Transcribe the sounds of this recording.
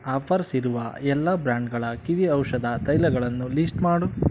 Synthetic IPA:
aːpʰɐɾsiɾuʋɐ̰ɛlːɐbɾaːɳɖɡɐɭɐkiʋiɐwʂɐd̪ɐt̪ɐjlɐɡɐɭɐnːulisʈmaːɽu

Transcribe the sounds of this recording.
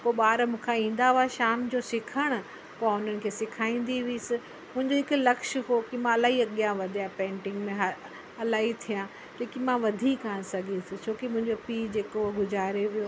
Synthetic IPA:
koːɓaːɾmũːkʰãĩːn̆d̪aoaʃaːmd͡ʑosɪkʰəɽ̃ʊ̆ | pːaʊn̤ənɪ̆kʰeːsɪkʰaːĩːn̆d̪iʋiiːsɪ | mʊ̃ɦɪ̃ɲd͡ʑoɦɪkʊlɐkʃɦokimãɐlaːɦiɐɠijãʋɐd̪ʱijãpẽːɳʈɪ̃ŋɡmẽɦ | ɐlaːɦit̪ʰijã | lẽːkimãʋɐd̪ʱikaːɽ̃sɐɡʱisɪt͡ɕʰoːkimʊ̃ɦɪ̃ɲd͡ʑopiːd͡ʑeːkoɡʊzaːɾeʋijo

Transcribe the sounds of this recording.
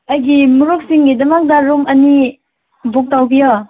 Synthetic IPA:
ɐjɡimuɾuk̚siŋɡidɐmak̚daɾumɐni | buk̚tawbijɔ

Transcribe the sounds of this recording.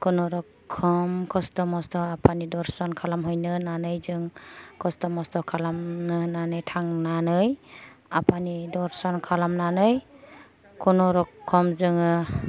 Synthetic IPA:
kʰunɔɾɔkʰːɔmkʰɔstɔmɔstɔapʰanidɔɾsɔnkʰalamɦɯjnɯnanɯjzɯŋkʰɔstɔmɔstɔkʰalamnɯnanɯjtʰaŋnanɯj | apʰanidɔɾsɔnkʰalamnanɯj | kʰɔnɔɾɔkʰːɔmzɯŋɯ

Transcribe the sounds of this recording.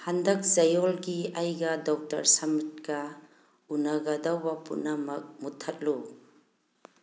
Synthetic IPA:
handɐk̚zajɔlɡiajɡɐdɔk̚tɐ̰ɾsamit̚kɐ | unaɡadawbapṵnamɐk̚mutʰɐt̚lu

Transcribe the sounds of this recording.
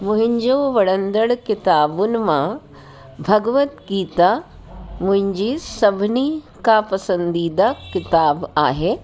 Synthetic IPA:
mʊ̃ɦɪ̃ɲd͡ʑoːʋɐɽə̃nd̪əɽkɪt̪aːbʊnɪ̆mã | bʱɐɡʋət̪ɡiːt̪a | mʊ̃ɦɪ̃ɲd͡ʑisɐbʱɪni | kapɐsə̃nd̪iːd̪akɪt̪aːba̰ːɦeː

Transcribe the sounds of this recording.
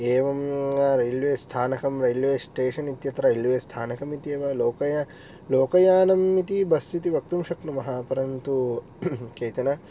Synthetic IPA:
eːʋɐmɾɐjlʋeːst̪ʰaːnɐkɐmɾɐjlʋeːsʈeːʂɐnit̪jɐt̪ɾɐjilʋeːst̪ʰaːnɐkɐmit̪ieːʋɐloːkɐjɐ | loːkɐjaːnɐmːit̪ibɐst̪it̪iʋɐk̚t̪umʃɐknumɐɦaːpɐɾɐnt̪u | keːt̪ɐnɐ

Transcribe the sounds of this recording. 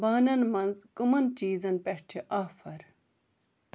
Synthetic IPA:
baːnɐnmɐnzkumɐnt͡ʃiːzɐnpeʂʈʰiʔaːfɐɾ

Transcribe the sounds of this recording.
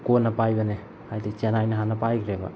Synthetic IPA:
konːɐpajbane | ajdit͡ʃenajnɐɦanɐpajkʰɾeba̰

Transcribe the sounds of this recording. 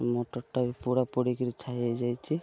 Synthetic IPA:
mɔʈɔʈːabipuɽapoɽikiɾit͡ʃʰaɦied͡ʒajt͡ʃʰi

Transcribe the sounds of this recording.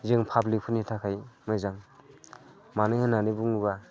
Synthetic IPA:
zɯŋpʰablik̚pʰunitʰakʰajmɯzaŋ | manɯŋhɯnːanibuŋuba

